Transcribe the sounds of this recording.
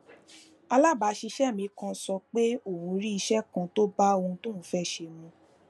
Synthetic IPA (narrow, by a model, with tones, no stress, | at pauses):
a˧la˦˨ba˨˦ʃi˧ʃɛ˦˨mĩ˧˦kã˧sɔ˧k͡pe˦o˦˨ũ˧ɾi˦i˧ʃɛ˦kã˧to˦ba˦o˧hũ˧tõ˦˨ũ˨˦fɛ˦˨ʃe˧˨mũ˧